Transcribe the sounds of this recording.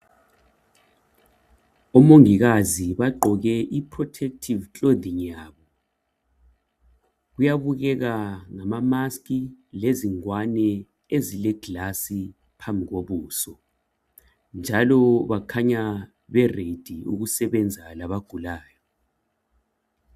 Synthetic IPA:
ɔmoŋiɣaziβaǃʱɔɣɛʔipʰrɔtʰɛk̚tʰivt͡ɬʼod̪iŋjaːβɔ | ɣujaβuɣɛɣaŋamamaskʼileziŋwanɛ | ezilɛɡ̥lasi | pʰambʱiɣoβuːsɔ | nd͡ʒʱalɔβakʰaɲa | βɛred̥ʱiṵɣusɛβɛnd͡zʱalaβaɡ̥ʱulaːjɔ

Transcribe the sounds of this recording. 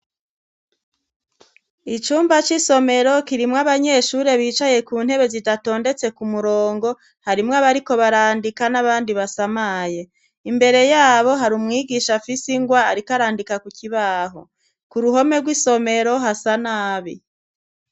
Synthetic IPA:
it͡ʃuːmbat͡ʃiso̞me̞ɾo̞kiɾimŋaβaɲe̞ʃuɾe̞βiːt͡ʃaje̞kuːn̥he̞βe̞zidato̞ːnde̞t͡se̞kumuɾoːŋɡo̞ | haɾimŋoaβaɾiko̞βaɾaːndikanaβaːndiβasamaːje̞ | imbe̞ɾe̞jaːβo̞ɦaɾumŋiːɡiʃafisiŋɡwaːɾikaɾaːndikakukiβaːɦo̞̰ | kuɾuɦo̞me̞ɡwiso̞me̞ɾo̞ɦasanaːβi

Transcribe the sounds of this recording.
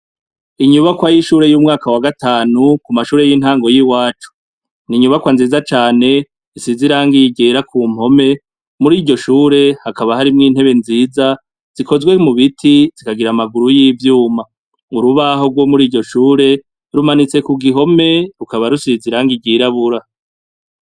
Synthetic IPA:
iɲuβakwajiʃuːɾe̞juːmŋaːkawaɡataːnukumaʃuːɾe̞jiːnhaːŋɡo̞jiwaːt͡ʃu̥ | niɲuβakwanziːzat͡ʃaːne̞ | isiziɾaːŋɡiɡeɾakʰuːmho̞me̞ | muɾiːɟo̞ʃuːɾe̞hakaβahaɾimŋiːn̥he̞βe̞nziːza | z̥iko̞zɡwe̞muβitʰiz̥ikaɡiɾamaɡuɾujiːvjuːma | uɾuβaɦo̞ɡwo̞muɾiːɟo̞ʃuːɾe̞ | ɾumanit͡se̞kuɡiɦo̞me̞ɾukaβaɾusiziɾaːŋɡiɡiɾaβuɾa

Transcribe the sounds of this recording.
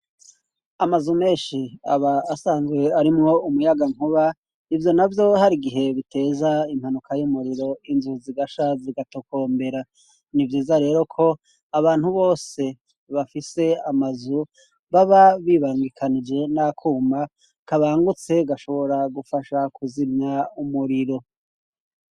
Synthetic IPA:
amazume̞ːnʃia̰βaːsaːnzwe̞aɾimŋo̞umujaɡaŋuβa | ivjo̞navjo̞haɾiɡiɦe̞βitʰe̞ːzaim̥hanukʰajumuɾiɾo̞inzuziɡaʃaziɡatokʰo̞ːmbe̞ɾa | nivjiːzaɾe̞ːɾo̞kʰo̞ | aβaːn̥huβo̞ːse̞ | βafise̞amazu | βaβaβiːβaŋɡikʰanid͡ʒe̞nakʰuːma | kaβaːŋɡut͡se̞ɡaʃo̞βo̞ɾaɡufaʃakʰuzimɲaumuɾiɾo̞

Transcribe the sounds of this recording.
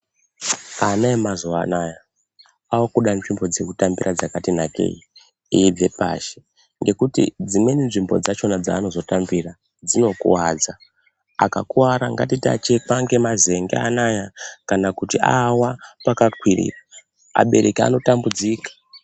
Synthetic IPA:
anaemazanaja | awakuɗanʐimbo̞d͡ze̞kutambirʔad͡zakatinake̞̰i | ijib͡ve̞pa̰ʃe̥ | ŋɡe̞kutḭd͡zimweninʐimbo̞d͡zat͡ʃo̞nad͡za̰ːno̞zo̞tambira | d͡zino̞kṵwad͡za | a̰ka̰kuwaɾaŋɡa̰tita̰t͡ʃekaŋɡe̞mazeŋɡḛanajakanakutiawapakakwirḭra | a̰ɓe̞ɾekia̰no̞tambud͡zikḁ

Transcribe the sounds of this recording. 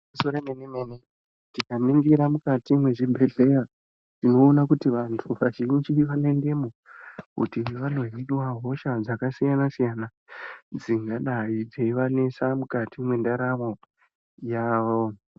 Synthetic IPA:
musoɾenenimene | tikamiŋɡiɾamukatimwe̞ʐibʱe̞ɮe̞ra | tino̞ːnakutiʋantʰuʋaʐit͡ʃiʋane̞nde̞mo | kṵtiʋan̤oɦiiwaɦo̞ʃad͡zakasijanasijana | d͡ziŋɡaɗaid͡zeiʋane̞samukatimwe̞ndaɾamo̞ | jaːʋo̞

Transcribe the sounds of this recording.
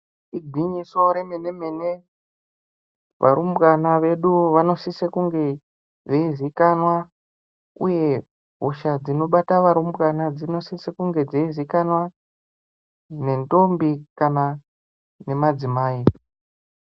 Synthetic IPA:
iɡʱiɲiso̞ɾemene̞mene | ʋʔa̰ɾumbwanaʋe̞ɗuʋano̞sisekuŋɡe̞ | d͡zeizikanwa | ṵje̞ | ɦuʃad͡zino̞ɓataʋaɾumbɣanad͡zino̞sisekuŋɡe̞d͡zeizikanwa | ne̞ndo̞mbikana | ne̞mad͡zimaːi

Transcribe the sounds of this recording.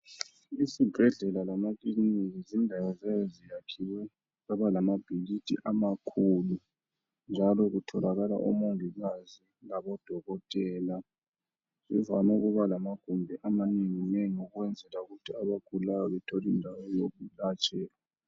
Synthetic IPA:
isib̥ʱɛɮɛlalamakliniɣizindʱawɔzɛjzijakʰiwɛ | aβalamab̥ʱilitʰʼḭʔamakʰulu | nd͡ʒʱalɔɣutʰɔlaɣala̰ʔɔ̰moŋiɣazi | laβɔd̥ʱɔɣɔtʼɛːla | zḭvamɛɣuβalamaɡ̥ʱumbʱɛʔamaniŋinɛŋuɣwɛnd͡zʱɛlauɣutʰiaβaɡ̥ʱululajɔβɛtʰɔlindʱawɛjoɣulat͡ʃʼɛːla

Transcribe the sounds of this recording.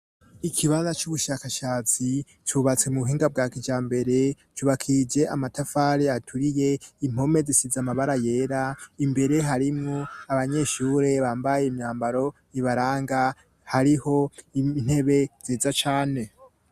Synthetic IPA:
ikʰiβazat͡ʃuβuʃakaʃaːt͡si | t͡ʃuβat͡se̞muβuɦiːŋɡab̚ɡaːkid͡ʒaːmbe̞ɾe̞ | t͡ʃuβakʰid͡ʒe̞ʔamatafaɾiatʰuɾije̞im̥ho̞me̞zisizamaβaɾaje̞ːɾaimbe̞ɾe̞ɦaɾimŋoaβaɲe̞ʃuːɾe̞βaːmbajeimɲaːmbaɾo̞jiβaɾaːŋɡa | haɾiho̞in̥he̞βe̞ziːzat͡ʃaːne̞

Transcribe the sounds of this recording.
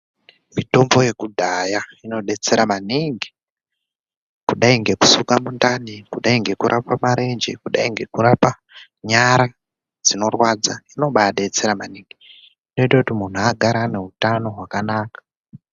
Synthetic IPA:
mito̞mbo̞je̞kudʱajaino̞ɗe̞t͡se̞ɾamaniŋɡi | kuɗaiŋɡe̞ku̥sukamundanikuɗaiŋɡe̞kuɾʔapamaɾe̞nd͡ʒḛkuɗaiŋɡe̞kuɾapa | ɲaɾa | d͡zino̞rwad͡zaino̞ɓajaɗe̞t͡se̞ɾamaniŋɡi | ino̞itakutimun̤uaɡʱaɾane̞ɦutano̞ɦwakanaːkḁ

